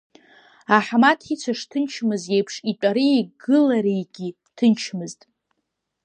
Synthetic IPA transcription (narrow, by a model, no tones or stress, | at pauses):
aħmatʰit͡sʷʰaʂtʰɨnt͡ʃʰmɨzjejpʰʂitʷʼaɾiːɡɨlaɾijɡʲi | tʰɨnt͡ʃʰmɨztʼ